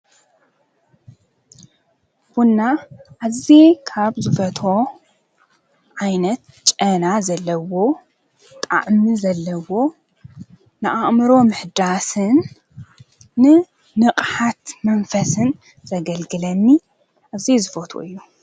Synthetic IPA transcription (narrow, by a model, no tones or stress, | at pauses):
wunːaʔaβzekʰaβzɨfɐt̪ʰo̞ | ʕajnɐt̪ | t͡ʃʼɐnazɐlːɐwo̞ | t̪ʼa̰ʕmizɐlːɐwo̞ | nɨʔaʔʼmɨɾo̞mɨħd̪asɨn | ɨ | nɨqʼħat̪mɐnfɐsɨn | zɐɡɐlɡɨlɐmːi | ʔaβzizɨfɐt̪ʰo̰ʔɨjːu